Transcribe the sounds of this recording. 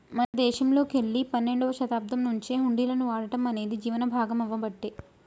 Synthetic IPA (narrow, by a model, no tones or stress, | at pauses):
mɐnɐd̪ɛːʃɐmlo̞ːkeɭːipɐnːe̞ɳɖɐʋɐʃɐt̪aːp̚d̪ɐmnuɲt͡ʃeɦuɳɖiːlɐnuaːɽɐʈɐmɐne̞ːd̪id͡ʒiːʋɐnɐbʱaːɡɐmɐʋːɐbɐʈːeː